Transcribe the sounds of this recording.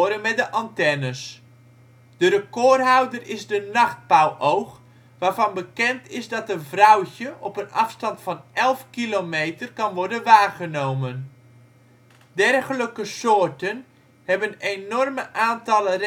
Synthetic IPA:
ɾənmɛdəʔɑntɛnəs | d̥ərəkɔːrɦawdərɪzdənɑχt̚pawʔowχ | ʋaːrvɑnbəkɛntɪzdɑtənvrawcəʔɔpənɑfstɑntfɑnʔɛlˠfkilomejtərkɑnʋɔrdənʋaːrχənowmən | dɛrχələkəsoːrtən | hɛbənenɔrməʔaːntɑlər

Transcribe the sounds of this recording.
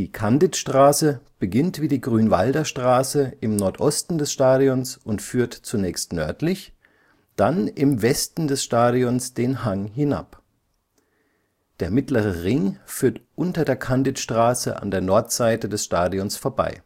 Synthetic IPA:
d̥iːkʰandɪtʃtʁ̥aːsəb̥əɡɪntv̥iːdiːɡʁyːnva̰ldɐʃtʁ̥aːsəʔɪmnɔɐtʔɔstn̩dɛsʃtaːɾijɔnsʔʊntfyːɐtt͡sunɛːçstnœɐtlɪç | d̥anɪmvɛstn̩dɛsʃtaːɾiɔnsd̥eːnhaŋɦɪna̰p | d̥eːɐmɪtləʁəʁɪŋfyːɐtʔʊntɐdeːɐkʰandɪtʃtʁ̥aːsə̰ʔa̰ndeːɐnɔɐtz̥aɪtədɛsʃtaːdiɔnsfoːɐba̰ɪ

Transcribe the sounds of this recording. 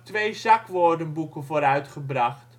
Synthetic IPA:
tʋejzakʋoːrdənbukənvoːɾœɥtχəbraχt

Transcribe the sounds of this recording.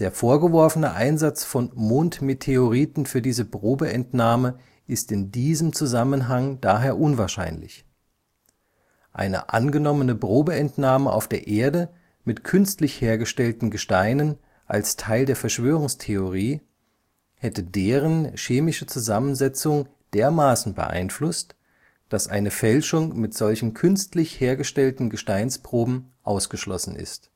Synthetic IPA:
d̥eːɐfoːɐɡəvɔɐfənəʔaɪnzat͡sfɔnmoːntmetʰeoʁiːtn̩fyːɐdiːzəbʁoːbəʔɛntnaːmə | ʔɪstɪndiːzəmt͡suzamənɦaŋd̥aːɦeːɐʔʊnvaːɐʃa̰ɪnlɪ̰ç | ʔa̰ɪnə̰ʔa̰nɡənɔmənəbʁoːbəɛntnaːməʔa̰ʊfd̥eːɐʔeːɐdə | mɪtkʰʏnstlɪçheːɐɡəʃtɛltn̩ɡəʃtaɪnən | ʔa̰lstʰaɪldeːɐfɛɐʃv̥øːʁ̞ʊŋstʰeoʁiː | hɛtədeːʁ̞ənʃeːmɪʃət͡suzamənzɛt͡sʊŋ | d̥eːɐmaːsn̩bə̰ʔa̰ɪnflʊst | d̥asʔa̰ɪnəfɛlʃʊŋmɪtz̥ɔlçn̩kʰʏnstlɪçheːɐɡəʃtɛltn̩ɡəʃtaɪnspʁ̥oːbm̩ʔaʊsɡ̥əʃlɔsn̩ɪ̰st

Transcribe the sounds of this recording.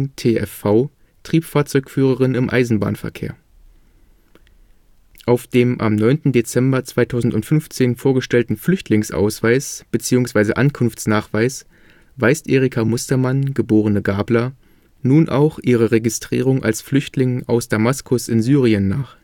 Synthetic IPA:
tʰeːʔɛ̰faʊ | tʁ̥iːpfaːɐt͡sɔʏkfyːʁ̞əʁɪnɪmʔa̰ɪzn̩ba̰ːnfɛɐkʰḛːɐ | ʔaʊfd̥eːmʔa̰mnɔʏntn̩det͡sɛmbɐt͡sv̥aɪtʰaʊzn̩tʊntfʏnft͡seːnfoːɐɡəʃtɛltn̩flʏçtʰlɪŋsʔa̰ʊsv̥aɪsb̥ət͡siːʊŋsv̥aɪzə̰ʔankʰʊnft͡snaːχv̥aɪs | v̥aɪstʔeːʁikʰamʊstɐmanɡəboːʁ̞ənəɡaːblɐ | nuːnʔa̰ʊχʔiːʁ̞əʁeɡɪstʁ̥ḭːʁ̞ʊŋʔa̰lsflʏçtlɪŋʔaʊsd̥amaskʰʊsɪnzyːʁiənːaːχ

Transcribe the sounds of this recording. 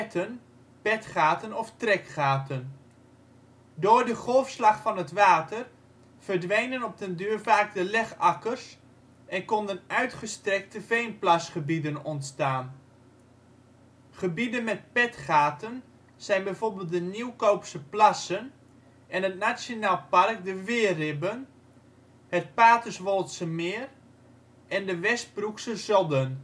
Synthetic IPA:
tʰən | pɛtχaːtənɔftrɛkχaːtən | doːɹdəχɔlˠfslɑχfɑnɦətʋaːtər | v̥ərdʋejnənɔp̚təndyːrvaːkdəlɛχɑkərs | ɛnkɔndənœɥtχəstrɛk̚təvejnplasχəbidənɔntstaːn | χəbidənmɛt̚pɛtχaːtən | sɛjnbɛjvoːrbɪːlˠt̚dəniwkowpsəplasən | ɛnətnasjonaːlˠpark̚dəʋɪərɪbən | hət̚paːtəsʋɔlˠtsəmɪər | ʔɛndəʋɛst̚bruksəzɔdən

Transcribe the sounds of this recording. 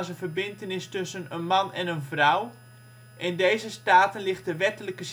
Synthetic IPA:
sənvərbɪntənɪstɵsənənmanɛnənvraw | ʔɪndejzəstaːtənlɪxt̚dəʋɛtələkəs

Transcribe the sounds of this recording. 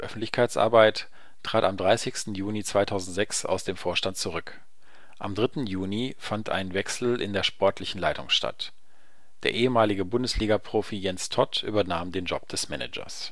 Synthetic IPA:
ʔœfn̩tlɪçkʰaɪt͡sʔa̰ɐbaɪt | tʁ̥aːtamdʁaɪsɪçstn̩juːnit͡sv̥aɪtʰaʊzn̩tz̥ɛksa̰ʊsd̥eːmfoːɐʃtant̚t͡suʁ̞ʏk | ʔamdʁɪtn̩juːnifantʔa̰ɪnnvɛksl̩ʔɪ̰ndeːɐʃpɔɐtʰlɪçn̩laɪtʊŋʃta̰t | d̥eːɐʔeːəmaːlɪɡəbʊndəsliːɡɐpʁ̥oːfijɛnstʰɔtʔy̰ːbɐnaːmdeːnd͡ʒɔ̰p̚d̥ɛsmɛnɛ̰d͡ʒɐ̰s

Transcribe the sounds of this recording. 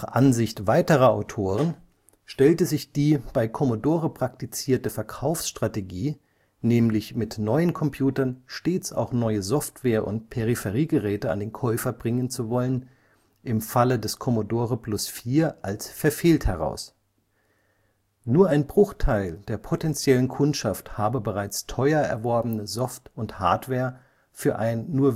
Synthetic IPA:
aχʔa̰nzɪçtv̥aɪtəʁɐa̰ʊtʰoːʁ̞ən | ʃtɛltəzɪçd̥iːb̥aɪkʰɔmodoːʁəpʁ̥aktit͡siːɐtəfɛɐkʰaʊfsʃtʁ̥ateɡiː | nɛːmlɪçmɪtnɔʏənkʰɔmpʰj̥uːtɐnʃteːt͡sa̰ʊxnɔʏəzɔftv̥eːɐʔʊ̰nt̚pʰeʁifɛʁiːɡəʁɛːtəa̰ndeːnkʰɔʏfɐbʁɪŋənt͡suvɔlən | ʔɪmfalədɛskʰɔmodoːʁəplʊsfiːɐʔalsfɛɐfeːlthɛʁ̞a̰ʊs | nuːɐaɪnbʁʊxtʰaɪld̥eːɐpʰotɛnt͡sjɛlənkʰʊntʃafthaːbəbəʁaɪt͡stʰɔʏɐɛ̰ɐvɔɐbn̩əzɔftʊntha̰ːɐtv̥eːɐ | fyːɐʔa̰ɪnːuːɐ

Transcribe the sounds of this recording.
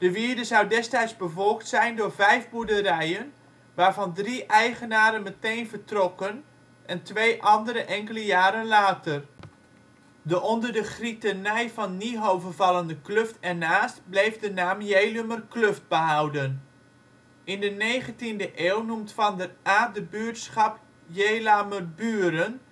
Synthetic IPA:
d̥əʋiːdəzawdɛstɛjzbəvɔlˠktsɛjndʊːɹvɛjvbudəɾɛjən | ʋaːɹvɑndriʔɛjχənaːɾənmətejnvərtrɔkən | ʔɛntʋejʔɑndəɾəʔɛŋkələjaːɾənlaːtər | dəʔɔndərdəχritənɛjfɑnːiɦowvərvɑləndəklɵftɛnaːstblejvdənaːmjejlømərkløft̚bəɦɑwdən | ɪndənejχəntindəʔeːwnumtfɑndəraːdəbyːətsχɑp | jejlamərbyːɾən

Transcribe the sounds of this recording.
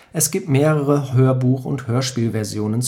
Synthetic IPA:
ʔɛsɡ̥iːp̚tmeːʁəʁəhøːɐbuːχʊ̰nthøːɐʃpiːlvɛɐzjoːnənt͡s

